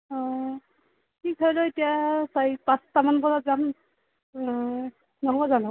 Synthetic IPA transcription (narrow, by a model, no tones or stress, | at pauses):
ɔ̃ | tʰikɔjlɔetijasajpastamanpɔzazam | nɔɦɔbazanɔ